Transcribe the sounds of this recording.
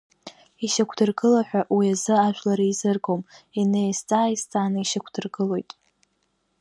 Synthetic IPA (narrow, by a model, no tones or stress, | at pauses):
iʃakʷʰdɨrɡɨlaħᶣʷaʔwiazɨaʒʷᶣlaɾaizɨrɡominejst͡sʼaːist͡sʼaːnɨiʃakʷʰd̥ɨrɡɨlo̞jtʼ